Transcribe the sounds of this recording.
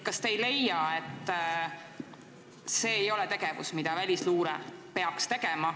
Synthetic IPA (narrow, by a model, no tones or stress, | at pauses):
kɑst̪ejle̞jɑet̪ːˑ | se̞ːjo̞lɛt̪e̞ɡ̥e̞vṵsmid̪̥ɑvælʲisluːɾɛ̰pe̞ɑkst̪e̞ɡ̥emɑ